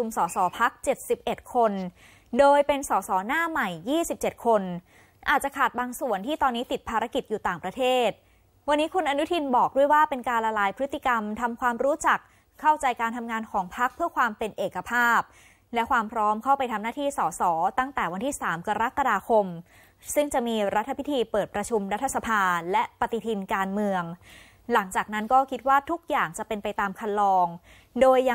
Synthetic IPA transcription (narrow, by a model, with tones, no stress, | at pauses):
u˧msɔː˩˦sɔː˩˦pʰa˦˥k̚t͡ɕe˨˩t̪̚si˨˩p̚ʔe˨˩t̪̚kʰo˧n | doː˧jpe˧nsɔː˩˦sɔː˩˦naː˥˩ma˨˩jːiː˥˩si˨˩p̚t͡ɕe˨˩t̪̚kʰo˧n | ʔaː˨˩t̪̚t͡ɕa˨˩kʰaː˨˩t̪̚baː˧ŋsu˨˩ənt̪ʰiː˥˩t̪ɔː˧nːiː˦˥t̪i˨˩t̪̚pʰaː˧ɾa˦˥ki˨˩t̪̚juː˨˩t̪aː˨˩ŋpɾa˧t̪ʰeː˥˩t̪̚ | wa˧nːiː˦˥kʰu˧nʔa˧nu˦˥t̪ʰi˧nbɔː˨˩k̚du˥˩əjwaː˥˩pe˧nkaː˧nla˧laː˧jpʰɾɯ˦˥t̪ːi˨˩ka˧mt̪ʰa˧mkʰwaː˧mɾuː˦˥t͡ɕa˨˩kʰː | a˥˩wt͡ɕa˧jkaː˧nt̪ʰa˧mŋaː˧nkʰɔː˩˦ŋpʰa˦˥k̚pʰɯ˥˩ɐkʰwaː˧mpe˧nʔeː˨˩kːa˧pʰaː˥˩p̚ | lɛ˦˥kʰwaː˧mpʰɾɔː˦˥mkʰa˥˩wpa˧jt̪ʰa˧mnaː˥˩t̪ʰiː˥˩sɔː˩˦sɔː˩˦t̪a˥˩ŋt̪ɛː˨˩wa˧nt̪ʰiː˥˩saː˩˦mka˧ɾa˦˥ka˧daː˧kʰo˧m | sɯ˥˩ŋt͡ɕa˨˩ʔmiː˧ɾa˦˥t̪ʰːa˧pʰi˦˥t̪ʰiː˧pɤː˨˩t̪̚pɾa˧t͡ɕʰu˧mɾa˦˥t̪ʰːa˧sa˧pʰaː˧lɛ˦˥pa˧t̪i˨˩t̪ʰi˧nkaː˧nmɯ˧əŋ | la˩˦ŋt͡ɕaː˨˩k̚na˦˥nkɔː˥˩kʰi˦˥t̪̚waː˥˩t̪ʰu˦˥k̚jaː˨˩ŋt͡ɕa˨˩pe˧npa˧jt̪aː˧mkʰa˧nlɔː˧ŋ | doː˧jːa